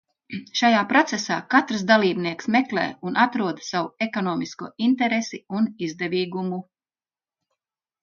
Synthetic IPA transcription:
ʃajaːpɾɔt̪sɛsa̰ːkat̪ɾs̬d̪alˠiːbniɛksmɛklɛ̰ːunʔat̪ɾuɔd̪sawuekɔnɔːmiskṵɔint̪ɛɾesiunizd̪ɛviːɡumu

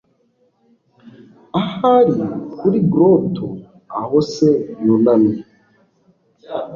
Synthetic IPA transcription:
ahaɾikuɾiɡɾotʰo̰ | ahosejolane

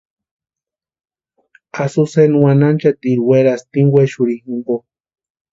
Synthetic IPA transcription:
asusenwanant͡ʃat̪iɾweɾast̪iŋweʃuɾihimbo

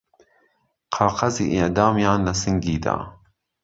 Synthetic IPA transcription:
qʰɑːqɐzḭːʔɪʔd̪ɑːmjɑːnlɐsɨŋɡiːd̪a̰ː

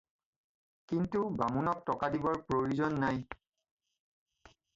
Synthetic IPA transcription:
kintubamunɔk̚tɔkadibɔɹpɹoɹuzɔnːaj

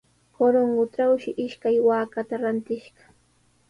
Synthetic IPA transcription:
koɾoɴɢʊʈ͡ʂawʃɪʔɪʃkajwaːkat̪aɾant̪ɪʃɢɑ̥

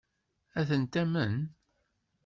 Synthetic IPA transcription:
æθənt̪æmən

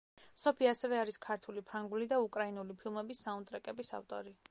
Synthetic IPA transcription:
sɔpʰiasɛvɛaɾiskʰaɾt̪ʰulipʰɾaŋɡulid̪aukʼɾainulipʰilˠmɛbisːaunt̪ʼɾɛkʼɛbisa̰ft̪ʼɔɾi

